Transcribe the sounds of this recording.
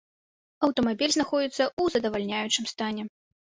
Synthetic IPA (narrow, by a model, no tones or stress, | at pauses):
ɐwt̪ɔmabʲilʲznaxɔd͡zʲit̪sːɐuzɐd̪ɐvalʲnʲajut͡ʂɨmst̪anʲɛ